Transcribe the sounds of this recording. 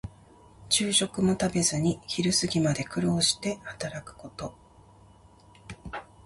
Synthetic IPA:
t͡ɕɨːɕo̞kɯ̟mo̞t̪abe̞zɨɲ̟içiɾɯ̟sɨɡʲimad̪e̞kɯ̟ɾo̞ːɕi̥t̪e̞hat̪aɾakɯ̟̥ko̞t̪o̞

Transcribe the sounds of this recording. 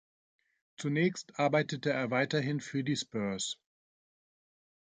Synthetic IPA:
t͡sunɛːçstʔaɐbaɪtətəeːɐvaɪtɐɦɪnfyːɐdiːspœɐs

